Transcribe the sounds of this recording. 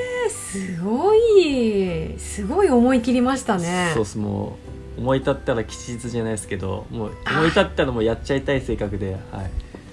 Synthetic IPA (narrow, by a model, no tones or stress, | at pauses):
sɨɡoi | sɨɡo̞io̞mo̞ikʲiɾʲimaɕi̥t̪ane̞soːsɨmo̰ː | omo̞it̪at̪ːaɾakʲi̥t͡ɕiʑit͡sɨʑanaisɨ̥ke̞d̪o̞̰moːomo̞it̪at̪ːaɾamo̞jat͡ɕait̪aise̞ːkakɯ̟d̪e̞ha̰i